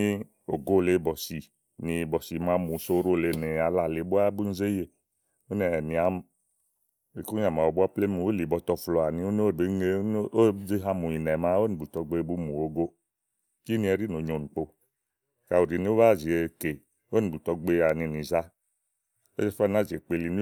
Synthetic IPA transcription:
i˦ | o˨ɡo˦˨le˧˦bɔ˨si˨ | ni˨˧˨bɔ˨si˨˦ma˨˧mu˨so˧˦ɾo˦˨le˧˨ne˨a˨la˨le˨˦bu˦a˦bu˦n̩˦ze˦je˨ | o˦nɛ˨ni˨a˨˦m˨ | e˨ku˦ɲa˨ma˨o˨bu˦a˦ple˦mu˨o˦li˨bɔ˧tɔ˧flɔ˨a˨ni˧o˦n˦o˦˨be˦ŋe˦o˦d͡ʒe˦ɦa˧mu˨i˨nɛ˨ma˦o˦ni˨bu˨tɔ˧ɡ͡be˧˦bu˦mu˨o˧ɡo˦ | ki˦ni˧˦ɛ˧ɾi˦no˨ɲo˨nu˨k͡po˧˨ | ka˨u˨ɾi˨ni˦o˦βa˦˨zi˨e˨ke˨ | o˦ni˨bu˨tɔ˧ɡ͡be˧˦a˨ni˨˧˨ni˨za˦ | o˦ɛ˦fa˦˨na˨˦˨ze˨k͡pe˧li˨ni˦

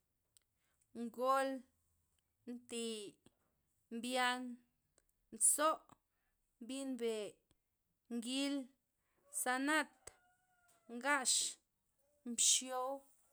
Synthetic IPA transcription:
ŋɡo˦l | nt̪i˨ | mbja˧ŋ | nt͡so˦ʔ | mbi˦nbe˨ | ŋɡi˦l | sa˧na˦t̪ | ŋɡa˦ʃ | mbʃjo˦w

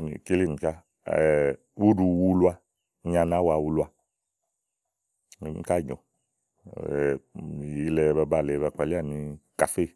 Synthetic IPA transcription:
nḭ˨ke˦li˦˨ni˨ka˦˨ | wu˦du˧wu˧˦lu˦a˧ | ɲa˧na˨˦wa˧˨wu˧lwa˧˨ | mḭ˨˧˦ka˦˨ɲɔ̰˨ | i˨ji˧lɛ˧ba˧ba˨lɛ˨βa˧˨k͡pa˨li˦a˦˨ni˧ka˨fe˦˨

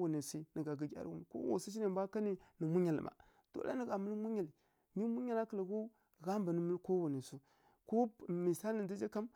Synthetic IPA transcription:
u˨ni˨si˦nə˨ɡa˨ɡi˨ɡʲa̰˨ɾ̰wṵ˦m˨ko̰˦wo̰˨si˦t͡ʃi˦na˨mbʷa˦ka˦ni˦nə˨mu˦ɲa˨l̰ma̰˨ | to̰˦la̰˦nə˨ɡa˨mə˦lmu˦ɲa˨li˨ | mi˦mu˦ɲa˦˨la˦kə˨la˨ɣu˦ | ɣa˦mba˨nə˨˦mə˦lko˦wu˨ni˨su˦ | ko˦mi˨sa˦lə˨nda˦d͡ʒa˦ka˦m

